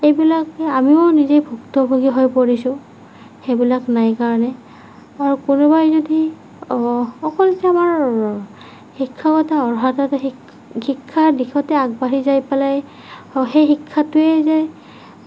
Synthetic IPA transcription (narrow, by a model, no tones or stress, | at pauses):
ejbilakamionizejbʱuktɔbʱuɡiɦɔjpoɹisʊ̃ | xebilaknajkaɹɔnɛ | aɹukʊnubajzodi | ɔkɔlitɛamaɹ | xikʰːaɡɔtaɔɹɦatatxi | xikʰːadixʰɔtɛaɡ̚baɹizajpɛlaj | xejxikʰːatʊɛzɛ